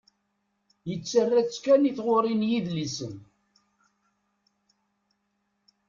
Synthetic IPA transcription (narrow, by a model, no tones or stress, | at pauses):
jət͡sːərːæt͡sːkːæniθʁoɾˤinjiðlisə̰n